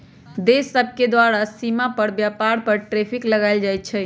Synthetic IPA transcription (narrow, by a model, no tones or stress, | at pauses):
d̪esːəb̚ʱked̪waɾasimapəɾbjapaɾpəɾʈɾepʰikləɡaɪld͡ʒajt̪̚t͡ʃʰɛ